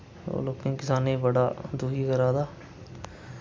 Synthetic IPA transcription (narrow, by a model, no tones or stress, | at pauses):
o̰ːloːkẽkɪsaːneibəɽaːd̪uːɦiɡəɾaːd̪aː